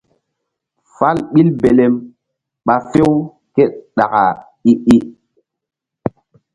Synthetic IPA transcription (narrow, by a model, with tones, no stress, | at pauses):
fa˦lɓi˦lbe˨le˦m | ɓa˨fe˦w | ke˦t̚ɗa˨ka˨ | i˦ʔi˦ʔ